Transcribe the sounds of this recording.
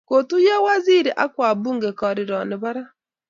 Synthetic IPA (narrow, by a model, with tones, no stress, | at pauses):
ko˨tu˦ja˦wa˦zi˦ɾi˨ʔa˦kwa˨buː˦ŋɡe˨kɔ˨ɾe˨ɾɔ˨ne˨βa˦ɾa˦